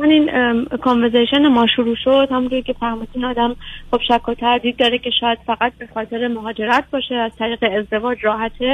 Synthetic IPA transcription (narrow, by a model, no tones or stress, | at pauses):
aniːnkʰonveɾzeʃenemɒːʃuɾuːʃod̪̥hæmunt̪ʰoɾcʲʰe̞fæhmid̪iːnɒːd̪æmχo̞b̥ʃækʰːot̪ʰæɾd̪iːd̪ːɒːɾecʰe̞ʃɒːjæd̪̥fæɣæt̪̚be̞xɒːt̪ʰe̞ɾe̞moɦɒːd͡ʒe̞ɾæt̪̚ʰbɒːʃeæz̥t̪ʰæɾiːɣe̞ːzd̪e̞vɒːd͡ʒrɒːɦæt̪ʰe